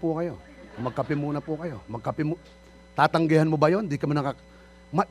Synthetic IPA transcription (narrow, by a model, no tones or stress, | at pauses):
pukajo | mɐɡ̚kapɪmunapukajomɐɡ̚kapɪmu | t̪at̪aŋɡɛhanmubajond̪ikaminaka | ma